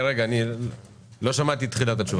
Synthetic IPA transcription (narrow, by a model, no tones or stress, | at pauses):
ʁeɡaːni | lo̞ʃamat̪it̪χilat̪̬at͡ʃuv